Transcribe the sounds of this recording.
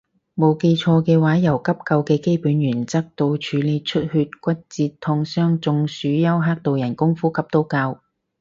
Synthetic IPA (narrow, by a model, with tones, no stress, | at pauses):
mo˨˧wke˧jt͡ʃʰɔː˧kɛː˧waː˨˥jɐ˨˩wkɐ˥p̚kɐ˧wkɛː˧ke˥jpuː˨˥njyː˨˩nt͡sɐ˥k̚t̪o˧wt͡ʃʰyː˨˧le˨˧t͡ʃʰɵ˥t̚hyː˧t̚kʷɐ˥t̚t͡siː˧tt̪ʰʊ˧ŋsœː˥ŋt͡sʊ˧ŋsyː˨˧jɐ˥wɦaː˥k̚t̪o˨wjɐ˨˩nkʊ˥ŋfuː˥kʰɐ˨˥p̚t̪o˥wkaː˧w